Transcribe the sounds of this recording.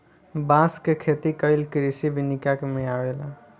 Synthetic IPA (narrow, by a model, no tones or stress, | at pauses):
bãskekʰet̪ikəjlkɾisibʱinikakemijawela